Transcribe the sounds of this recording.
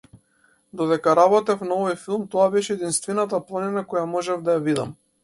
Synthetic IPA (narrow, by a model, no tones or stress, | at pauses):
d̪ɔd̪ɛkaɾabɔt̪ɛfnaɔvɔjfilˠmt̪ɔabɛʃɛɛd̪inst̪vɛnat̪̬aplˠaninakɔjamɔʒɛvd̪ajavid̪a̰m